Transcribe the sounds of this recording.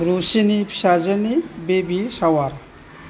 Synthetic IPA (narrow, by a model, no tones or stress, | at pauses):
ɾusinipʰi̥sazɯnibebisawaɾ